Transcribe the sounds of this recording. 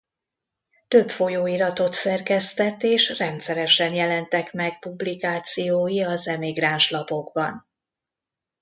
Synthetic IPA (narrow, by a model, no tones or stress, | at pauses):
t̪ø̞pfo̞joːiɾɒt̪o̞t̪sɛrkɛst̪ɛt̪ːeːʃrɛnt̪sɛɾɛʃɛnjɛlɛnt̪ɛkmɛɡ̚publikaːt̪sijoːjiɒzɛmiɡraːnʃlɒpo̞ɡbɒ̰n